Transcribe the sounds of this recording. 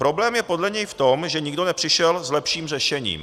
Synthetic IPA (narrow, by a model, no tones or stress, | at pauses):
pɾo̞blɛːmjɛpo̞dlɛɲɛjft̪o̞mʒɛɲɪɡdo̞nɛpr̝̥ɪʃɛlzlɛpʃiːmr̝ɛʃɛɲḭːm